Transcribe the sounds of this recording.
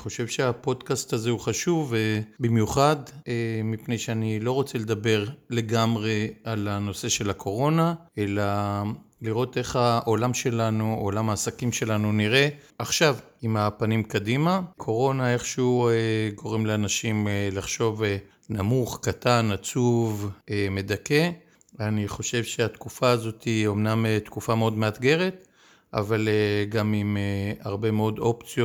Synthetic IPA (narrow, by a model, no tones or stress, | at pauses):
χo̞ʃevʃeapo̞dkastaze̞uχaʃuvebimjuχademipnejʃeanilo̞ʁo̞t͡sele̞d̪abe̞ʁle̞ɡamʁe̞alano̞se̞ʃe̞lakʰo̞ʁo̞nae̞la | liʁo̞te̞χaʔolamʃe̞lanuolamaːsakimʃe̞lanuniʁe̞ | aχʃav | imapanimkadimakʰo̞ʁo̞nae̞χʃeueɡo̞ʁemleanaʃimelaχʃo̞ve | namuχkatanat͡suveme̞dake̞ | aniχo̞ʃe̞vʃe̞at̪kufaːzo̞tio̞mnamet̪kufameo̞dmeat̪ɡe̞ʁe̞t̪ | ʔa̰valeɡamimeaʁbe̞meo̞d̪o̞pt͡sjo